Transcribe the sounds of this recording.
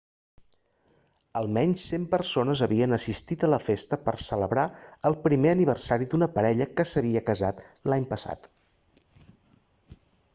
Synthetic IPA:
əlˠmɛɲsːempərsonəzəβiənəsist̪it̪ələfest̪əpərsələβɾaəlˠpɾimeəniβ̞ərsaɾid̪unəpəɾɛʎəkəsəβiəkəzat̪laɲpəsa̰t̪

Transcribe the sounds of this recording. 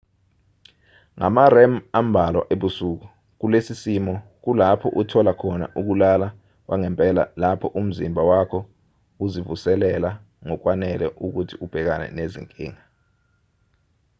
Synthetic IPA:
ŋa̰marɛmam̩bʱalwa̰ʔeɓusuk̬u | k̬ulesisimɔk̬ulapʰɔʔutʰɔlakʰɔna̰ʔuk̬ulala | wʔaŋɛmpʼɛla̰lapʰɔʔum̩zimbʱawakʰɔ | uzivusɛlɛla | ŋɔk̬wanɛlɛʔuk̬utʰiub̥ʱɛk̬anɛ̰nezḭŋkʼḭːŋa

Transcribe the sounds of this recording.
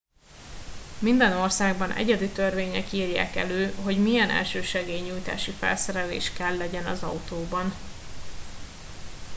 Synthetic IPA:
mind̪ɛno̞rsaːɡbɒnʔɛ̰ɟɛd̪it̪ørveːɲɛkiːrja̰ːkɛ̰løːɦo̞ɟmijɛnʔɛ̰lʃøːʃɛɡeːjɲuːjt̪a̰ːʃifɛ̰lsɛɾɛlḛːʃkɛlːɛɟɛnɒzɒut̪oːbɒn

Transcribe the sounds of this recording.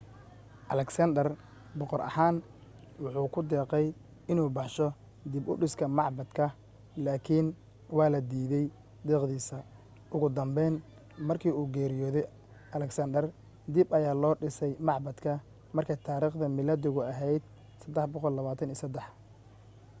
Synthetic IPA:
ʔɐlɛksɐnd̪ɛr | bɔqɔɾɐ̰haːn | wʊħuːkʰʊd̪ɛːqɛj | ɪnuːbɑħʃɔ | d̪ɪbʊ̰ɖɪskʰɐmɑʕbɐd̪kʰɐ | laːkʰɪn | wɑːlɐd̪iːðɛj | d̪ɛːqd̪iːsɐ | ʔʊɣʊd̪ɐmbɛjn | mɐrkʰiːuːɡɛːɾɪjɔːðɛj | ʔɐlɛksɐnd̪ɛr | d̪ɪbɐjaːlɔːɖɪsɛjmɑʕbɐd̪kʰɐ | mɐrkʰɛjt̪ʰaːɾiːχd̪ɐmɪlɐd̪ɪɣʊɐɦɛjd̪̥̚ | sɐd̪ɛħbɔqɔlːɐβaːt̪ʰɐniːsɐd̪ɛħ

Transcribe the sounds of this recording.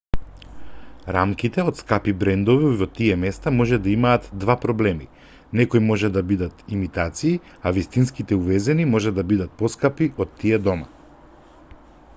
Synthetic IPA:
ɾamkit̪ɛot̪skapibɾɛnd̪ɔvivɔt̪iɛmɛst̪amɔʒɛd̪aimaːt̪d̪vapɾɔblɛmi | nɛkojmɔʒɛd̪abid̪at̪imit̪at̪siː | avist̪inskit̪ɛuvɛzɛnimɔʒɛd̪abid̪at̪̚pɔskapiɔt̪ːiɛd̪ɔma̰

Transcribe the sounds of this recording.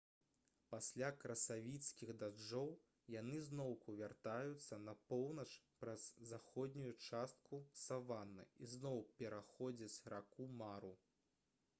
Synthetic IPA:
pasʲlʲakɾɐsavʲit̪skʲiɣd̪ad͡ʐɔw | janɨznɔwkuvʲart̪ajut̪sːɐnɐpɔwnɐt͡ʂ | pɾɐz̥ːaxɔd̪ʲnʲujut͡ʂast̪̚kʰusavanːɐ̰iznɔwpʲɛɾaxɔd͡zʲɐt͡sʲrakumaɾu

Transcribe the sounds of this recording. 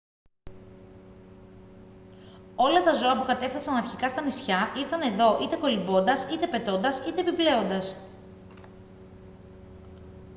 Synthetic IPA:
o̞lɐt̪ɐzo̞ɐpukɐt̪e̞fθɐsɐnɐɾçikɐst̪ɐnisçɐʔiɾθɐne̞ðo̞ʔit̪e̞ko̞libo̞nd̪ɐsit̪e̞pe̞t̪o̞nd̪ɐsit̪e̞piple̞o̞nd̪ɐs

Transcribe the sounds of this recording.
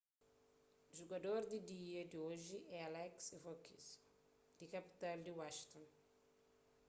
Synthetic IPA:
ʒuɡɐd̪oɾd̪id̪iɐd̪ioʒiʔɛalɛksivokis | d̪̥ikɐpi̥t̪ald̪iwaʃt̪õn

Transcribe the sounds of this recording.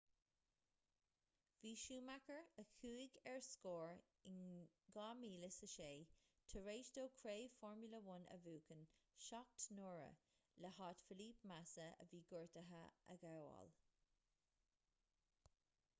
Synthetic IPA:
viːʃuːmakəɹəkʰuːɪɡɛɹskoːɹ | ɪnɡɑːmiːləsəʃeː | t̪ʰəɹeːʃd̪oːkʰɹeːfɔɹmjuləwʊnə̰vuːkənʃɑk̚t̪noːɹə̰ | ləhɑːtfɪliːpmasəə̰viːɡɔɹt̪əɦəʔə̰ɡawɑ̰l

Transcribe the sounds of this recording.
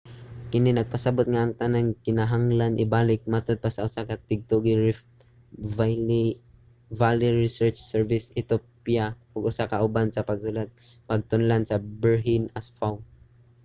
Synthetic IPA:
kɪnɪnaɡ̚pasabʊt̪̚ŋaʔaŋt̪anankɪnaɦaŋlanʔɪbaːlɪk̚mat̪ʊd̪̚pasaʊsakat̪ɪɡ̚t̪ʊɡi | a | valiɹɪsɛɹt͡ʃsɛɹvɪsɪt̪opja | ʊɡʊsakaʔʊbansapaɡ̚sʊlat̪̚ | paɡ̚t̪ʊnlansabɛɹɦɪnasfaw

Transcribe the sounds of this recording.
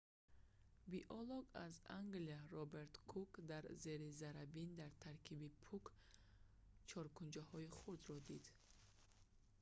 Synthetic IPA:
biʔɔlɔɡazaŋɡlijaɾɔbe̞ɾt̪kʰukd̪aɾze̞ɾizaɾabind̪aɾt̪ʰaɾkʰibipʰuk | t͡ʃʰɔɾkund͡ʒahɔiχuɾd̪ɾɔd̪id̪

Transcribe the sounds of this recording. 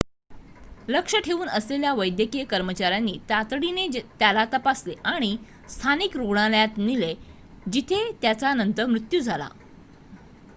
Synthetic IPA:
ləkʂəʈʰeʋuːnəsleljaʋəjd̪jəkijəkəɾmət͡ɕaɾjanːiːt̪at̪ɽinet̪jalat̪əpasleʔaɽ̃i | st̪ʰaniːkɾoɽ̃aljat̪nile | d͡ʑit̪ʰet̪jat͡sanənt̪əɾmɾut̪juːd͡zʱala̰

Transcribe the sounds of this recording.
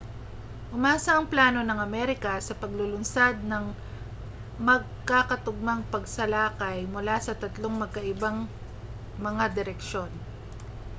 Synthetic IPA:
ʔʊmaːsɐʔɐŋplaːno̞nɐŋɐmɛɾɪkɐsɐpɐɡlʊlʊnsad̪̚nɐŋ | mɐɡ̚kakɐt̪ʊɡ̚mɐŋpɐɡsɐlaːkɐjmʊlasɐt̪ɐt̪lo̞ŋmɐɡ̚kɐʔɪbaŋ | mɐŋad̪ɪɾɛkʃo̞n

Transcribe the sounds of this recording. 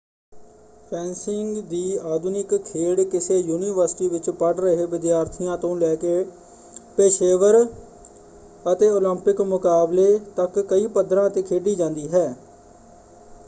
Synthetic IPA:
pʰɛ̃ːnsɪŋɡd̪iːaːd̪ʊnɪkʰːeːɽkɪseːjuːniːʋəɾsɪ̥ʈiːʋɪt͡ʃpəɖɾəɦeːʋɪd̪jaːɾt̪ʰɪjãːt̪õːlɛːkeː | peːʃeːʋəɾ | ət̪eːoːləmpɪkmʊkaːbleːt̪əkːəiːpəd̪ɾãːt̪eːkʰeːɖiːd͡ʒãːnd̪iːɦɛː

